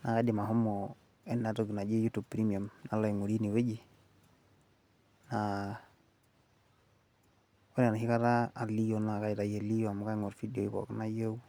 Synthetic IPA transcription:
na˨ka˦di˨ma˨ɦɔ˦mːɔ | ɛ˦nːa˨toɡi˨na˨d͡ʒi˦ju˦tu˨b̚pɾi˦mi˨a˨mna˦la˨i˨ŋo˨ɾi˦ni˨we˦d͡ʒi˨ | na˨ | ko˦n˦a˨n˨ɦi˦ka˦taː˦˨li˦jo˨na˨ka˦i˨ta˨je˨li˦jɔ˦a˨mka˦ŋɔ˨ɾfi˦di˨o˨i˦kɔ̰˨kna˦jo˦u˦

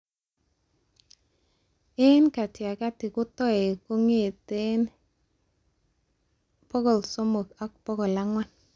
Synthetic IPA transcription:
ɪ˦nka˨tja˨ka˦tɪ˨kʊ˦tɔ˦ɛ˨ko˦ŋe˦˨te˦n | pɔ˦ɡɔ˨lsɔ˦mo˨ka˦k̚pɔ˦ɡɔ˨la˦ŋwa˦n

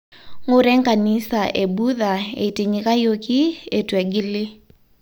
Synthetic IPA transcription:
ŋʊ˦ɾɛ˦ŋka˨nɪ˦sa˨ʔe˨bu˦ða˨ḛ˨i˨ti˨ɲika˦jo˦ki˦e˨twɛ˨ɡɪ˦lɪ˦

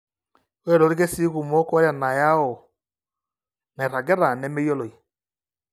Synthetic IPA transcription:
wɛ˦ɾɔ˨ɾi˦ɣe˦si˦ɣu˨mɔ˦kɔ˦ɾja˨na˨ja˦ɔ˨ | nɛ˨ɾa˨ɡɛ˦ɾa˨nɛ˦me˦jɔ˦lɔ˨i˨

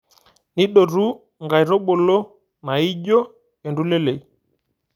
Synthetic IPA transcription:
ni˦ɗɔ˨ɾu˦ | ŋɡa˨i˨ɾɔ˦ɓɔ˨lɔ˦ | na˨i˦ʄɔ˦ | ɛ˨ndu˦lɛ˦lɛ˨i˨

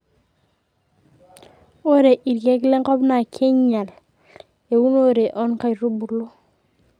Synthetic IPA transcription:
o˦ɾe˨ʔi˨ɾke˦kle˦ŋkɔ˦bna˨kʰe˦ɲa˨l | e˨wu˦no˦ɾe˨ʔɔ˦nka˦jɾu˦bu˨lu˦

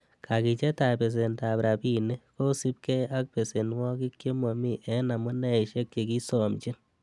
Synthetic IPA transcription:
kʰa˨ki˨t͡ʃe˦ta˨pe˨s̬e˨nta˨bɾa˨pi˦ne˦ko˦si˦p̚kɛ˦a˦k̚pe˨se˨nwɔ˦ki˦kje˦mo˨mi˦ʔɛ˨˦na˨mu˦nɛ˦i˨ʃe˦k̚t͡ʃe˨ki˦sɔ˨mt͡ʃi˦n

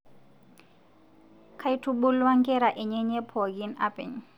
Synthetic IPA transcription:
kʰa˦itʰu˦ɓʊ˦lwa˦ŋkʼɛ˦ɾa˨ʔɛ˨ɲɛ˦ɲɛ˦pʰɔ˨ɡi˦na̰pɛ̰˨ɲ

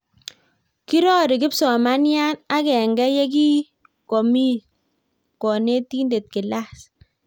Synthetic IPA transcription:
ki˦ɾɔ˦ɾɪ˨kɪ˦psɔ˨ma˦nja˦na˦kɛ˨ŋɡɛ˦jɛ˦ɡ̬i˦ | ko˨mi˦ | kɔ˨ne˦ti˦nde˨t̚kɪ˨la˦s

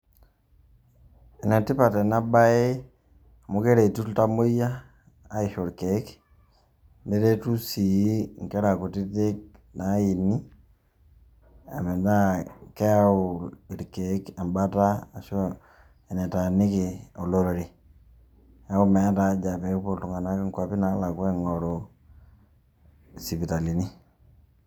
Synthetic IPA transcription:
ɛ˨na˨ti˦pa˨tɛ˨na˦ba˦e˦ | a˨mu˦ke˦ɾe˨i˨tu˦ta˦mo˦jaː˦ | i˨ʃo˨ɾke˨˦k | ndɛ˦ɾe˦tu˦si˨˦ŋ˨ke˦ɾa˨ku˨ti˦te˦k̚na˨˦i˨ni˦ | a˨me˨da˦kɛ˦a˦ʊɪ˨ɾke˨˦ka˨mba˦ta˦a˨ʃo˦ | ɛ˨nɛ˨ta˨nɪ˦kɪ˨o˨lo˦ɾo˨ɾi˨ | a˦ʊ˦mɛ˨˦ta˨˦d͡ʒa˨pɛ˨˦kpo˨tu˨ŋa˨na˦kɪ˦ŋkwa˨pɪ˦na˦la˨kwɛ˦ŋɔ˨ɾo˨ | si˨pi˨ta˨li˨ni˦

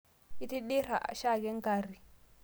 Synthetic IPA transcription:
i˦ti˦ɗi˦ɾa̰˨ʃa˦˨kɛ˦ŋ˦ɡa˨ɾi˨

